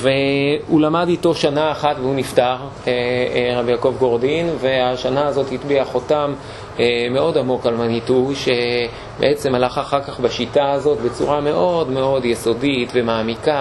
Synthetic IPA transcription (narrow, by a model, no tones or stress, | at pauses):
ve̞ulamadito̞ʃanaːχatveuniftaʁ | eʁabijako̞vɡo̞ʁdinve̞aʃanaːzo̞thitbiaχo̞tam | me̞o̞damo̞kalmanituʃe̞ | beʔet͡se̞malaχaχaʁkaχbaʃitaːzo̞tbe̞t͡sṵʁame̞ʔo̞dme̞o̞djeso̞ditve̞maːmika